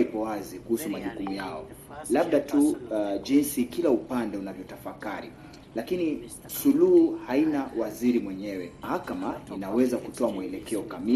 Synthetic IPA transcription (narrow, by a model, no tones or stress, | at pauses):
ipɔwazikuhusumaʄukumujaɔlaɓ̚ɗatʰuʄinsikilaupandɛunavjɔtafakaɾḭ | lakini | suluhuhainawaziɾimwɛɲɛwɛmahakamainawɛzakutɔamuɛlɛkɛɔkami